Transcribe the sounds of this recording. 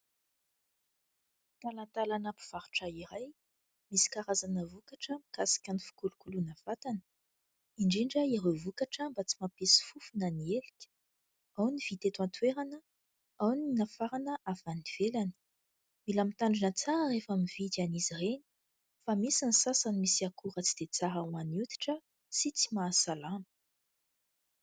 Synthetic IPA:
t̪alat̪alanapu̥v̥aɾu̥ʈ͡ʂaiɾaj | misi̥kaɾazanəvukaʈ͡ʂəmikasi̥kʲanifi̥kulukulunavat̪anə̥ | iɳɖ͡ʐiɳɖ͡ʐəiɾovukaʈ͡ʂəmbat͡si̥mapesi̥fufunanieli̥kʲə̥ | awniv̥it̪et̪want̪weɾanə | awninafaɾanəʔavaniv̥elani̥ | milamit̪aɳɖ͡ʐinət͡saɾərefamivit̪anizireni̥ | famisanisasanimisiakuɾət͡sid̪̥et͡saɾawanut̪i̥ʈ͡ʂə | sit͡simaːsalamə̥

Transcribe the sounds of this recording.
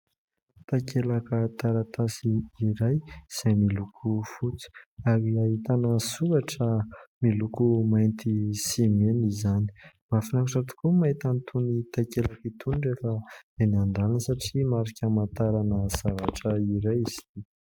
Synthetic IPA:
t̪akʰelakət̪aɾat̪asiiɾajz̥emilukʰufut͡su̥aɾiaɦit̪anəsuɾaʈ͡ʂəmilukumajnt̪isimenizani̥ | mafinakuʈ͡ʂat̪u̥kumait̪anit̪ʰunit̪akelakit̪uniɳɖ͡ʐefad̪eniand̪alanəsaʈ͡ʂimaɾikʲamant̪aɾanəz̥avaʈ͡ʂəiɾajzi̥t̪i

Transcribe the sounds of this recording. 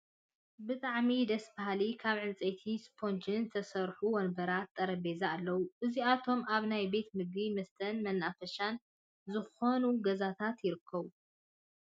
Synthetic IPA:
bɨt̪ʼaʕmid̪ɐsbaɦalikʰaβʕɨnt͡sʼet̪ʰispʰo̞nt͡ʃɨnt̪ʰɐsɐɾħuwɔnbɐɾat̪ʼːɐɾɐbe̞zaːlːɐwuʔɨziat̪ʰo̞maβnajbe̞t̪mɨɡimɐst̪ʰɐnmɐnːafɐʃan | zɨxo̞nuɡɐzat̪ʰat̪jɪɾɨkʰːɐβu

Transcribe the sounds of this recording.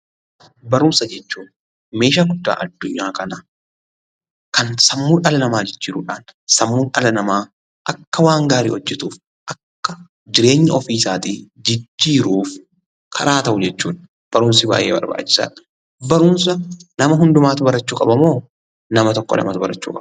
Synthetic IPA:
bɐɾʊmsɐd͡ʒɛt͡ʃːuːn | me̞ːʃaːɡʊd̪ːa̰ːʔɐd̪ːʊɲːaːkɐnɐ | kɐnsɐmːuːnʔɐlɐnɐmaːd͡ʒɪd͡ʒːiːɾuːᶑaːnsɐmːuːnɐlɐnɐmaː | ʔɐkːɐwaːŋɡaːɾḭːɔd͡ʒːɛt̪uːf | ʔɐkːɐ | d͡ʒɪɾe̞ːɲːɪɔfiːsaːt̪id͡ʒɪd͡ʒːiːɾuːf | kʰɐɾaːt̪ɐʔʊd͡ʒɛt͡ʃːṵːn | b̥ɐɾʊːnsɪba̰ːjʔeːbɐ̰ɾba̰ːt͡ʃːɪ̥sa̰ːᶑɐ̥ | bɐɾʊnsɐnɐmɐɦʊnd̪ʊmaːt̪ʊbɐɾɐt͡ʃːuːkʼɐbɐmo̞ː | nɐmɐt̪ɔkːɔ̰lɐ̰mɐt̪ʊbɐɾɐt͡ʃːṵːkʼɐb

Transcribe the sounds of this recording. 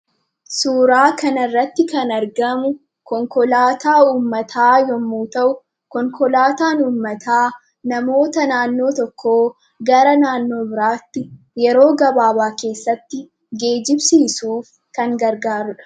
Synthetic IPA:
suːɾaːkɐnɐɪrːɐt̪ːɪkɐnɐɾɡɐmʊ | kɔŋkɔlaːt̪aːuːmːɐt̪ʰaːjɔmːuːt̪ɐʔʊ | kɔŋkɔlaːt̪aːnuːmːɐt̪ʰaː | nɐmo̞ːt̪ɐnaːnːo̞ːt̪ɔkʰːoː | ɡɐɾɐnaːnːo̞ːbɪɾaːt̪ːɪ | jɛɾo̞ːɡɐbaːbaːke̞ːsːɐt̪ːɪ | ɡe̞ːd͡ʒɪbsiːsuːf | kɐŋɡɐɾɡaːɾʊᶑɐ̥

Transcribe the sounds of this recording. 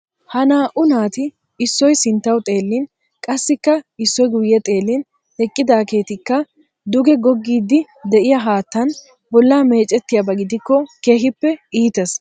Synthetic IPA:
hɐnaːʔʊnaːt̪ɪ | ɪsːɔjsɪnt̪ːɐwt̪ʼe̞ːlːɪn | kʼɐsːɪkːɐɪsːɔjɡʊjːɛt̪ʼe̞ːlːɪn | ɛkʼːɪd̪aːke̞ːt̪ɪkːɐ | d̪ʊɡɛɡɔɡːiːd̪ːɪ | d̪ɛʔɪjɐɦaːt̪ːɐn | bɔlːaːme̞ːt͡ʃʼːɛt̪ːɪjɐbɐɡɪd̪ɪkːɔke̞ːɦɪpːɛiːt̪ɛs

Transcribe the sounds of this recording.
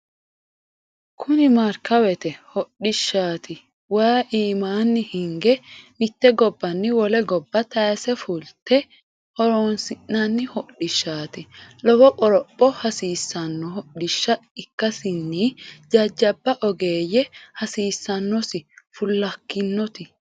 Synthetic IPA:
kʰʊnɪmɐɾkɐwɛt̪ɛhɔɗɪʃːaːt̪ɪ | waːʔiːmaːnːɪhɪŋɡɛmɪt̪ːɛɡɔbːɐnːɪwɔlɛɡɔbːɐt̪ɐjsɛfʊlt̪ɛ | hɔɾoːnsɪnːɐnːɪhɔɗɪʃːaːt̪ɪlɔbɔkʼɔɾɔpʼːɔhɐsiːsːɐnːɔhɔɗɪʃːɐɪkːɐsɪnːiːd͡ʒɐd͡ʒːɐbːɐʔɔɡeːjːɛhɐsiːsːɐnːɔsɪfʊlːɐkːɪnːɔt̪ɪ

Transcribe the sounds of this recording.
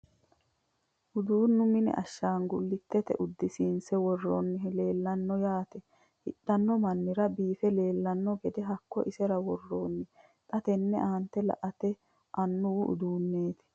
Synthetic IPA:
ʔʊd̪uːnːʊmɪnɛ̰ʔɐʃːaːŋɡʊlːɪt̪ːɛt̪ɛ̰ʔʊd̪ːɪsinsɛwɔrːo̰ːnːɪle̞ːlːɐnːɔjaːt̪ɛ | hɪɗːɐnːɔmɐnːɪɾɐbiːfɛle̞ːlːɐnːɔɡɛd̪ɛɦɐkːɔʔɪsɛɾɐwɔrːoːnːɪ | t̪ʼɐt̪ɛnːɛʔaːnt̪ːɛlɐ̰ʔɐt̪ɛ | ʔɐnːʊwʊʔʊ̰d̪uːnːe̞ːt̪ɪ̥

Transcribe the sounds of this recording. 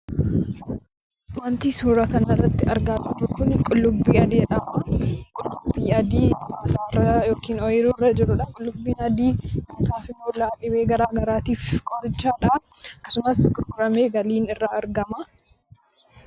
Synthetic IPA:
mɐnt̪iːsuːɾɐkɐnɪrːɐt̪ːɪɐɾɡaːd͡ʒɪɾʊkʊnkʼʊlːʊbːiːɐd̪iːᶑɐmɐkʼʊlːʊbiːɐd̪iːmaːsaːrːɐjoːkiːnɔjɪɾurːɐd͡ʒɪɾʊᶑɐnkʼʊlːʊbːiːnɐd̪iːmɐt̪aːfɪmoːlːaːᶑɪbeːɡɐɾaːɡɐɾaːt̪iːfkʼɔɾt͡ʃːaːᶑɐɐkːɐ̥sʊmɐskɾɾɐmeːɡɐliːnɪrːaɐɾɡɐmɐ

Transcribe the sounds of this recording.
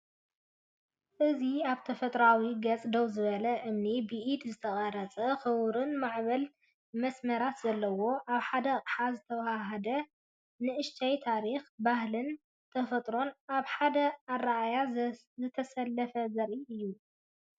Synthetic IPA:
ʔɨziaβt̪ʰɐfɐt̪ʼɾawiɡɐt͡sʼd̪owzɨβɐlɐʔɨmnibɨʔid̪zɨt̪ʰɐχʼɐɾɐt͡sʼɐxɨwɾɨnmaʕβɐl | mɐsmɐɾat̪zɐlːɐwo̞ʔaβħad̪ɐqʼħazɨt̪ʰɐwahaɦɐd̪ɐ | nɨʔɨʃt̪ʰajt̪ʰaɾixbahlɨn | t̪ʰɐfɐt̪ʼɾo̞naβħad̪ɐarːaʔaja | zɨt̪ʰɐsɐlːɐfɐzɐɾiʔɨjːu

